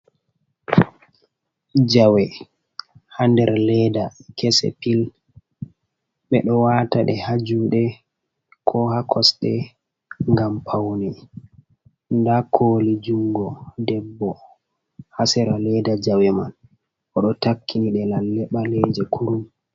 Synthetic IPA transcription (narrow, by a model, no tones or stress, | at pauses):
d͡ʒawɛ | handɛɾlɛdakɛsɛ̰pil | ɓɛ̰ɗɔwataɗɛhad͡ʒuɗɛ | kʰɔhakʰɔsɗɛ | ŋɡampʰawnɛ | ndakʰoːlid͡ʒuŋɡɔdɛbːɔ | hasɛɾalɛdad͡ʒawɛman | ʔɔɗɔtakːiniɗɛlalːɛɓalɛd͡ʒɛkʰuɾum